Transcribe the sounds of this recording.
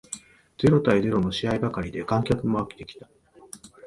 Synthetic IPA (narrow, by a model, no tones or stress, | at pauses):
d͡ze̞ɾo̞t̪aize̞ɾo̞no̞ɕiaibakaɾʲid̪e̞kãŋkʲakɯ̟mo̞akʲe̥t̪e̞kʲi̥t̪ḁ